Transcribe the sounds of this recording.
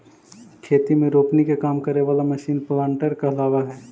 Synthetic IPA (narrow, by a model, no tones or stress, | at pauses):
kʰeːt̪imẽɾoːpnikekaːmkɐɾeʋaːlamɐʃiːnplãːɳʈəɾkaɐlaːʋaɦɛː